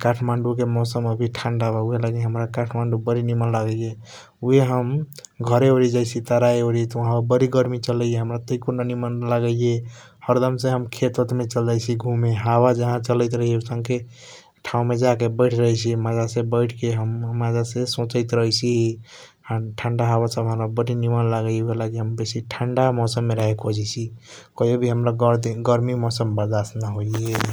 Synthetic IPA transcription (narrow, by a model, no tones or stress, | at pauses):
kaʈʰmaɳɖuk̬emɔsəməbʱiʈʰanɖabauɦelaɡiɦəmɾakaʈʰmaɳɖubəɾinimənlaɡəje | uɦeɦəmɡʱəɾeoɾid͡ʒajt͡ʃʰit̪əɾaeoɾit̪ɔəɦãobəɾiɡəɾmit͡ʃələeɦəmɾat̪əikonanimənlaɡəje | həɾd̪əmsẽɦəmkʰet̪ət̪met͡ʃəld͡ʒajt͡ʃʰiɡʱũmeɦabad͡ʒəɦãt͡ʃələɪt̪ɾəɦieusə̃ŋɡke | ʈʰaũmed͡ʒakebəjʈʰɾəɦit͡ʃʰimad͡ʒasẽbəɪʈʰkeɦəmːad͡ʒasesõt͡ʃəjt̪ɾəɦit͡ʃʰiɦi | ãʈʰəɳɖaɦaβasəbɦãlabəʈinimanlaɡəebʱelakiɦəmbesiʈʰəɳɖamɔsəmːeɾəɦekʰod͡ʒɛt͡ʃʰikəobʱiɦəmɾaɡ̪ɡəɾmimɔsəmbəɾd̪asnaɦoe